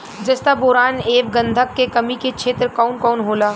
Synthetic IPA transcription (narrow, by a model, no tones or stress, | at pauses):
d͡ʒɐst̪aboːɾaːneːb̚ɡə̃nd̪ʱəkːekɐmiket͡ʃʰeːt̪ɾkɔːnkɔːnɦoːlaː